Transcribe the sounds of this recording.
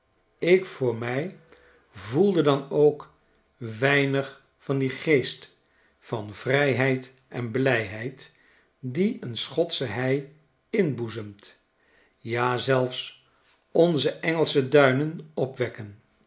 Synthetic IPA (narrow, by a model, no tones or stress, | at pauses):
ɪkfʊːɹmɛj | vulˠdədɑnowk | ʋɛjnəχ | fɑndiχejst | fɑnvrɛjɦɛjt | ɛnblɛjɦɛjt | diənsχɔtsəɦɛj | ɪnbuzəmt | jaːzɛlˠfs | ɔnzəʔɛŋəlˠsədœɥnənɔpʋɛkən